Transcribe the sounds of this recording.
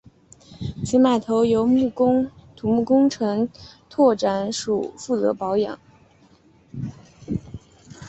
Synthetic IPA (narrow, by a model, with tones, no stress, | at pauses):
t͡ɕʰi˧˥ma˨˩t̪ʰo˧˥ʊjo˧˥ʊmu˥˩˥ŋt̪ʰu˨˩mu˥˩kʊ˥ŋʈ͡ʂʰɤ˧˥ŋt̪ʰwɔ˥˩ʈ͡ʂa˧˥nʂu˨˩fu˥˩t͡sɤ̰˧˥pɑ˧˥ʊjɑ̰˨˩˦ŋ